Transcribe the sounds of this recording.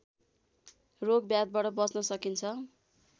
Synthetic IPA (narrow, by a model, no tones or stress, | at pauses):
roɡ̚bjad̪̚baʈʌbʌsnʌsʌkint͡sʰʌ